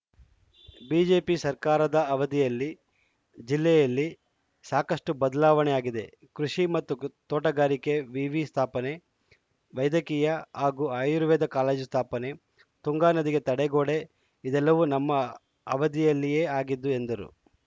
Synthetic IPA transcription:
biːd͡ʒe̞ːpisɐɾkaːɾɐd̪ɐɐʋɐd̪ijɐlːi | d͡ʒilːɛjɐlːi | saːkɐʂʈubɐd̪ɐlaːʋɐnɛjaːɡid̪e̞̰ | kɾuʂimɐt̪ːut̪ɔːʈɐɡaːɾike̞ʋiːʋist̪ʰaːpɐne̞ | ʋɐjd̪ɐkiːjɐhaːɡuːaːjuɾuʋɛːd̪ɐkaːleːd͡ʒust̪ʰaːpɐne̞ | t̪uŋɡaːnɐd̪iɡe̞t̪ɐɽɛɡoːɽe̞ | id̪ɛlːɐʋunɐmːɐ | ɐʋɐd̪ijɐlːijeːaːɡid̪ːue̞nd̪ɐɾṵ

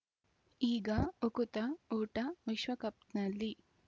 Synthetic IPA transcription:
iːɡɐokut̪ɐuːʈɐʋiʃʋɐkɐp̚t̪nɐlːi

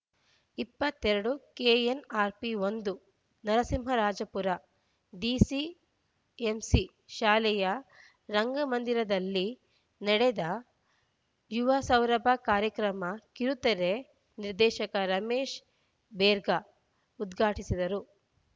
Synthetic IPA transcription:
ipːɐt̪ːɛɾɐɽukeːenaːɾpiond̪u | nɐɾɐsimɦɐɾaːd͡ʒɐpuɾɐ | ɖiːsi | emsi | ʃaːlɛjɐ | ɾɐŋɡɐmɐnd̪iɾɐd̪ɐlːi | nɐɽed̪ɐ | juʋɐsɐwɾɐbʱɐkaːɾjɐkɾɐmɐkiɾut̪ɐɾe̞ | niɾd̪ɛːʃɐkɐɾɐmeːʃ | beːɾɡɐ | ud̪ɡʱaːʈisid̪ɐɾu

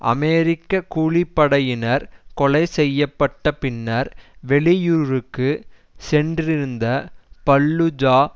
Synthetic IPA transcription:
ʔɐ̰mɛːɾɪkːɐkuːɭɪpːɐɽɐjɪnɐɾkɔɭɐɪsɛjːɐpːɐʈːɐpɪnːɐɾʋɛɭɪjuːɾɯkːɯ | sɛndrɪɾɯnd̪ɐpɐlːɯd͡ʒaː

